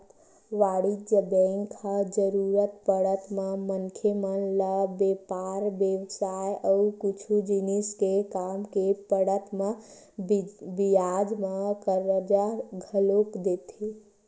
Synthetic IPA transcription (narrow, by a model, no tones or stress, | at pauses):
t̪ | ʋaːɽid͡ʒəbeŋkʰad͡ʒəɾuɾət̪pəɽət̪memənkʰjemənləbepaɾbjeʋsajəukit͡ʃʰud͡ʒiniskekamkepəɽət̪mẽ | bijad͡ʒmekəɾəd͡ʒaɡʱəlokd̪et̪e